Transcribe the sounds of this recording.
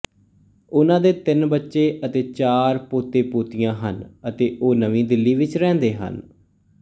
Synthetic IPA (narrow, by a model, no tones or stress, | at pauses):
ʊnãːd̪eːt̪ɪnbətːʃeːʔət̪eːt͡ʃaːɾpoːt̪eːpoːt̪ɪjãːɦə̰nət̪eːʔoːnəʋĩːd̪ɪlːiːʋɪt͡ʃɾɛ̃ːnd̪eːɦə̰n